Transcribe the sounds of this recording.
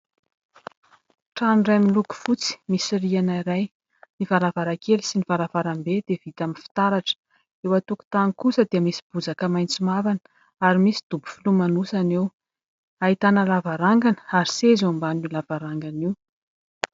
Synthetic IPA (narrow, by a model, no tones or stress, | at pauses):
ʈ͡ʂanurajaminluku̥fut͡si̥misirianaiɾaj | nivaɾavaɾakelisinivaɾavaɾambed̪̥ev̥it̪aminfi̥t̪aɾaʈ͡ʂə̥ | ewat̪uku̥t̪anikusəd̪eəmisi̥b̥uzakəmajnt͡simavanə | aɾimisi̥d̪̥ubu̥filumanusanew | ait̪anəlavaɾaŋɡanə̥aɾisezeambanilavaɾaŋɡaniw